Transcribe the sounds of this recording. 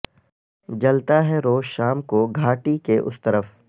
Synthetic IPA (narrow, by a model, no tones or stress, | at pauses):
d͡ʒɐlt̪aɦɛɾoːʃaːmkoɡʱaːʈikeʔʊ̰st̪ɐɾəf